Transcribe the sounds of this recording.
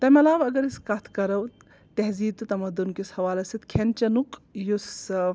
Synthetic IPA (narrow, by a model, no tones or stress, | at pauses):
t̪ɐmɐlaːʋɐɡɐɾiskɐt̪ʰkɐɾɐw | t̪eɦziːd̪̚t̪ut̪ɐmɐd̪unkishɐʋaːlɐsit̪kʰent͡ʃɐnukjus